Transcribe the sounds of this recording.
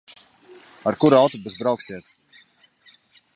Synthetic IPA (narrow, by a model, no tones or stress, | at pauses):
aɾkuɾawt̪ɔbəzbɾawksiət̪